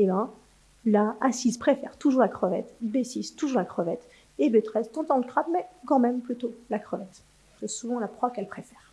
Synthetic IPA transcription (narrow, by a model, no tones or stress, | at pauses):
elã | laasizpχefɛ̰ʁt̪uʒuʁlakχəvɛ̰t̪besist̪uʒuʁlakχəvɛt̪ | ebet̪χɛst̪ɑ̃t̪ɑ̃lək̪χapmɛkɑ̃mɛmplyt̪olakχəvɛt̪ | kɛsuvɑ̃lapχwakɛlpχefɛːʁ